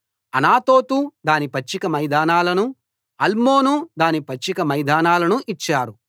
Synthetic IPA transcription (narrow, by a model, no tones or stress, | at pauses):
ɐnaːt̪oːt̪ud̪aːnipɐt͡ʃːikɐmɐjd̪aːnaːlɐnu | ɐlmoːnud̪aːnipɐt͡ʃːikɐmɐjd̪aːnaːlɐnuʔit͡ʃːaːɾu